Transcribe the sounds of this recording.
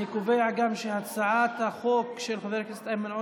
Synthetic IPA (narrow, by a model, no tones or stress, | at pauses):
ikoveaɡamʃehat͡saʕat̪haχokʃelχaveɾkist̪ajmanʕo